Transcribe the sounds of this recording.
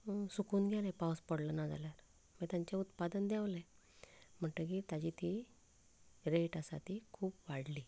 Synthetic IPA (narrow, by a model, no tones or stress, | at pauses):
sukuːnɡʱjɛlepawspəɽlənad͡za̰ljaɾ | mət̪jaɲt͡ɕjaut̪pad̪ənd̪jaʋle | m̤əɳʈ̪əkit̪ad͡ʑit̪i | ɾeʈasa̰t̪ikʰuːpʋaɽli